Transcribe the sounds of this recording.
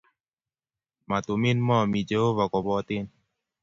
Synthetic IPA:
ma˨t̪u˨mi˦nmɔ˦˨mi˨d͡ʒə˨˦o˦βa˨kɔ˨bɔ˧t̪i˦n

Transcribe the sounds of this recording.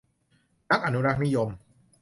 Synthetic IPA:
na˦˥k̚ʔa˧nu˦˥ɾa˦˥k̚ni˦˥jo˧m

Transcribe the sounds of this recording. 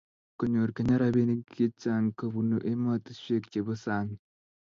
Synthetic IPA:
ko˨ɲo˨ɾke˨ɲa˦ɾa˦βe˦ni˦ɡe˦t͡ʃaŋka˨βu˨no̰˨ʔe˦ma˦ti̥˦ʃe˦kce˨βo˦saː˨ni

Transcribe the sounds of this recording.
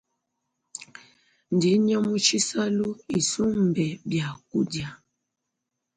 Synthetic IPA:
n̩˨di˨˦ɲɔ˦mu˦t͡ʃi˦sa˦lu˦i˨su˦m̩˨bɛ˨bja˨ku˦dja˨

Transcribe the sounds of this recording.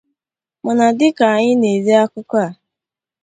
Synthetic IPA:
ma˨na˨dɪ˦ka˨ɲɪ˦ne˨ze˦a˦kʊ˦kɔ˦a˨

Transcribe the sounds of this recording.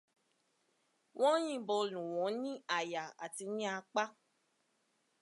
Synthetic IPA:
wʔɔ̃˦j̃ĩ˦˨bɔ˧lũ˨wɔ̃˨˦nĩ˦a˨ja˨a˨ti˧nĩ˦a˧k͡pa˦

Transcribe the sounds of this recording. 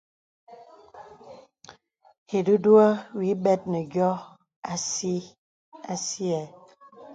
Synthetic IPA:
hi˨du˦dwa˦wi˨˦bɛ˦t̚nə˨ɡjɔ˦ | a˦si˦ | a˦si˦ɛ˨

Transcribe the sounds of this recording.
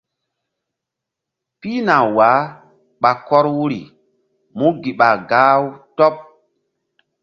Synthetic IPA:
pi˦na˨wa˨˦ | ɓa˨kɔ˦ɾwu˦ɾḭ˨ | mu˦ɡi˨ɓa˨ɡaː˦wtɔ˦p̚

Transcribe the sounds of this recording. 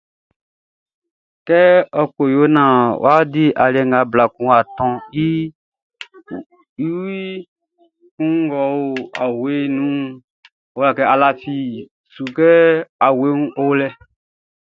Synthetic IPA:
kɛ˦ɔ˨ko˨jo˨˦nã˨wa˦di˦ʔa˨li˦ɛ˨ŋ˨a˨˦bla˨kũ˦a˨tɔ̃˧i˦ | i˦wi˦ | kũ˦ŋŋ˦ɡɔ˨wo˦a˨we˦nũ˦ | o˨˦a˨kɛ˦a˨la˨fi˨ | su˨kɛ˦a˨we˦nũ˦ʔo˦lɛ˦

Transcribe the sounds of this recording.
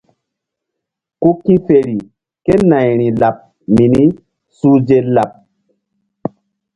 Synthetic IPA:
ku˦kĩ˦fe˨ɾi˨ | ke˦na˨jɾĩ˨la˨p̚ | mi˨ni˦ | su˦d͡ʒe˦la˨p̚

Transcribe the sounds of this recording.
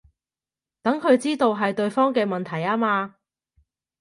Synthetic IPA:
t̪ɐ˨˥ŋkʰɵ˨˧ɥt͡siː˥t̪o˧wɦɐ˨jt̪ɵ˧ɥfɔː˥ŋkɛː˧mɐ˨nt̪ʰɐ˨˩jaː˥maː˧

